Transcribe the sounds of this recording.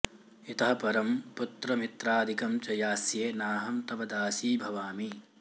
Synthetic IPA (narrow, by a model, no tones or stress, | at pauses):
it̪ɐɦɐpɐɾɐmput̪ɾɐmit̪ɾaːd̪ʱikɐmt͡ʃɐjaːsjeːnaːɦɐmt̪ɐbɐd̪aːsiːbʱɐʋaːmi